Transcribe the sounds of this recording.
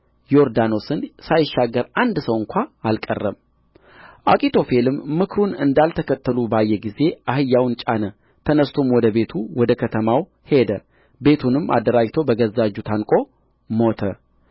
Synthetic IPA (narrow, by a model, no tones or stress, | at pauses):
jo̞ɾd̪ano̞sɨnsajɪʃːaɡəɾand̪səwɨŋkʷʰaːlkʼə̰rːəm | ʔakʼit̪ʰo̞fe̞lɨmːɨkʰɾunɨ̰nd̪alt̪ʰəkʰət̪ːəlubajːɛɡize̞ʔahɨjːawnt͡ʃʼanə | t̪ʰənəst̪ʰomwɔd̪əbe̞t̪ʰuwɔd̪əkʰət̪ʰəmaw | he̞d̪ə | be̞t̪ʰunɨmʔa̰d̪ːəɾad͡ʒt̪ʰo̞bəɡəzːad͡ʒːut̪ʰankʼo̞ | mo̞t̪ʰə